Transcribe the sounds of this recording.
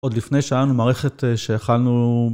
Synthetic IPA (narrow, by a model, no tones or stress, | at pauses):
ʔod̪lifnejʃajanumaːʁeχeteʃeːχalnu